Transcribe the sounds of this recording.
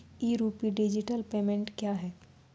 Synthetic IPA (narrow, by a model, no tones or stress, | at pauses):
iːɾuːpiɖid͡ʒɪʈəlpeːmẽɳʈkjaːɦɛː